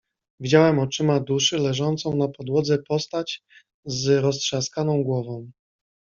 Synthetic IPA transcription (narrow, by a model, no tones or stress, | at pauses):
vʲid͡ʑawɛmɔt͡ʂɘmad̪uʂɘlɛʐɔnt̪sɔ̃w̃napɔd̪wɔd̪zɛpɔst̪at͡ɕ | zɾɔstʂaskanɔ̃w̃ɡwɔvɔ̃w̃